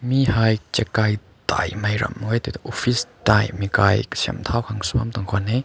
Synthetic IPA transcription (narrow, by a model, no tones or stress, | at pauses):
mihajt͡ʃɛkaj | t̪a̰jmɐjɾɐ̰mːwɛt̪it̪ʔɔfistajmikajkə̥sʰiɐ̰mt̪ʰawkʰaŋsuamt̪ɔŋkʰɔnɛ